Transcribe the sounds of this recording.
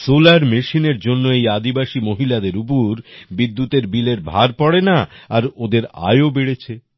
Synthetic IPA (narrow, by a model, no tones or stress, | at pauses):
solaɾmeʃineɾd͡ʑonːoejad̪ibaʃimoɦilad̪eɾup̬oɾbid̪ːut̪eɾbileɾbʱaɾpɔɽenaːɾod̪eɾa̰eobeɽet͡ɕʰe